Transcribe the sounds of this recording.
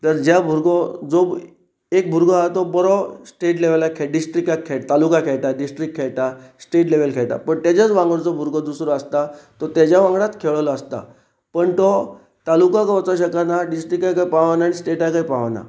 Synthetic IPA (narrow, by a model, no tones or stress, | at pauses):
t̪əɾd͡ʑjabʱuɾɡɔd͡zo | ek̚bʱuɾɡɔɦat̪ɔbəɾɔsʈeʈleʋelakʰːeɖisʈɾikat̪kʰːeʈ̚t̪alukakʰeɭʈ̪aɖisʈɾikkʰːeɭʈasʈeʈleʋəlkʰeɭʈa̰pəɳt̪jat͡ɕat͡sʋãŋɡɔɭt͡sɔbʱuɾɡɔd̪usɾɔəst̪at̪ɔt̪jad͡ʑjaʋãŋɡɽat̪kʰeɭlɔəst̪a̰ | pəɳt̪ɔ | t̪alukãkaʋɔt͡saɕəkanaɖisʈɾikajkajpaʋanaːɽ̃isʈeʈajkajpaʋana̰